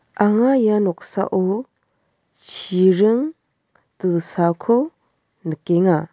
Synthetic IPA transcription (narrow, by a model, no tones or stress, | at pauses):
ʔaŋajanɔk̚sa̰ʔo | t͡ʃʰiɾɯŋ | tɯsakʰo | nəkeŋa